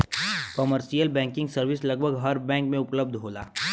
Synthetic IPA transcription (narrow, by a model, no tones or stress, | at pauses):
kəməɾʃijəlbɛ̃ːŋkɪ̃ŋɡsɐɾʋɪslɐɡbʱəɡɦɐɾbɛ̃ːŋkmẽʊpləb̚d̪ʱɦoːla̰ː